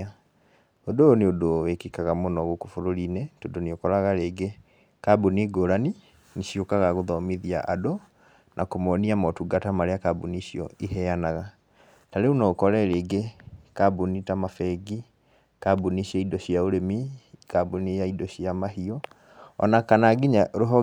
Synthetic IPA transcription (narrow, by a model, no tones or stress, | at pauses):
odoːneodowekikaɣamonɔɣokofoɾoɾinetodoneokɔɾaɣaɾeːɡe | kabuniɡoɾani | niʃjokaɣaɣoðɔmiðia̰ʔado | nʔakomɔniamɔtuɡatamaɾeakabuniɕiɔiɦɛanaɣa | taɾeunɔokɔɾɛɾeɡekabunitamafɛɡi | kabuniɕɛidɔɕiaoɾemikaboniaidɔɕiamaɦiɔ | ɔ̰nakanaɡiɲaɾoɦɔ